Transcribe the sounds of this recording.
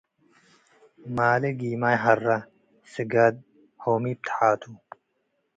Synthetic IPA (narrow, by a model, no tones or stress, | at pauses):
maːliɡiːmaːjɦɐrːɐ | siɡɐd̪̚ | hoːmiːp̚t̪ʰħaːt̪ʰu